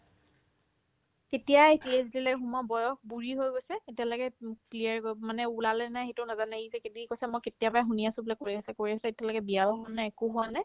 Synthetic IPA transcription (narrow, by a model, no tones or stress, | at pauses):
ketijajpiezdilɛxumɔbɔjɔxbuɹiɦojɡojsɛetialɔɡɛkliaɹɡomanɛulalɛnajxetʊnazanɛizɛkedikosɛmojketijapajxuniasʊ̃bulɛkoɹiasɛkoɹisɛetialɔɡɛbiaɔɦɔnaɛkʊɦʊwanɛj